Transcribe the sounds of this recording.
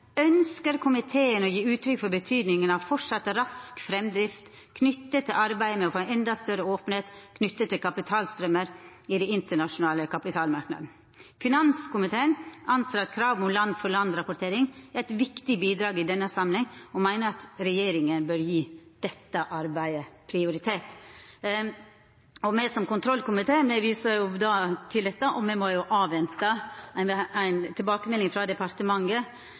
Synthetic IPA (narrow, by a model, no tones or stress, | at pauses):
œnskəɾkʰʊmɪt̪ʰeːənɔjiːʉːt̪ʰɾʏkfɔɾbət̪ʰyːd̪nɪŋənɑʋfɔʂɑt̪ːəɾɑskfɾɛmd̪ɾɪft̪ | kʰnʏt̪ːət̪ʰːɪlʔɑɾbæɪəmɛɔfoːɛnɛnd̪ɑst̪œɾəoːpən̩heːt̪kʰnʏt̪ːət̪ːɪlkʰɑpɪt̪ʰɑːlst̪ɾœməɾ | ɪd̪ɛɪnt̪əɳɑʃʊnɑːləkʰɑpɪt̪ʰɑːlmɑɾknɑ̰d̪n̩ | fɪnɑnskʊmɪt̪ʰeːəɳɑnseːɾɑt̪kʰɾɑːʋm̩ʊmlɑnd̪fɔɭɑnd̪ɾɑpʊʈʰeːɾɪŋæɾæɪt̪ʋɪkt̪ɪbiːd̪ɾɑːɡɪd̪ɛnːəsɑmlɪŋɔmæɪnəɾɑt̪ɾɛjeːɾɪŋənbœɾjiːd̪̥ɛt̪ːəʔɑɾbæɪəpʰɾɪʊɾɪt̪ʰeːt̪ | ɔmɛsɔmkʊnt̪ʰɾɔlkʊmɪt̪ʰeːmɛʋiːsəjʊd̪ɑt̪ʰɪld̪ɛt̪ːəʔɔmɛmɔjʊʔɑːʋɛnt̪ə | æɪnt̪ʰɪlbɑːkəmɛlːɪŋfɾɑd̪ɛpʰɑɾt̪əmɑŋɡə